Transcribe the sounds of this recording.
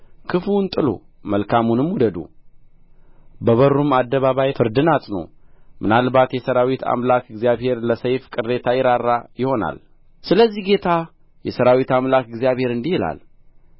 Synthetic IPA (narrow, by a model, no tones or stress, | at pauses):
kʰɨfunt̪ʼɨlo̰ | məlkʰamunɨmwud̪əd̪ṵ | bəβəɾːumad̪ːəβaβajfɨɾd̪ɨnat̪ʼnə̰wmɨnalbat̪jɛsəɾawit̪ʰa̰mlakɨɡzijaβhe̞ɾləsəjfkʼɨɾe̞t̪ʰajɪɾarːajɪho̞na̰l | sɨləzːihɡe̞t̪ʰa | jɛsəɾawit̪amlakɨɡzijaβhe̞ɾɨnd̪ihɪla̰l